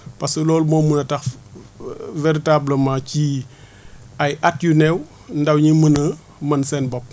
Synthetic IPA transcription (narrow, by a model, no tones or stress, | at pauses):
pɐsəlɔːlmɔːmunɐtɐx | veɾitaːbləmaci | ɐjat̚junɛw | ndɐwɲimənə | mɐnsɛnbɔp̚